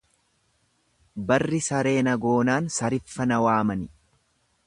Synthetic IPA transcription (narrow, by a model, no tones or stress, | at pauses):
bɐrːɪsɐɾe̞ːnɐɡo̞ːnaːnsɐɾɪfːɐnɐwaːmɐnɪ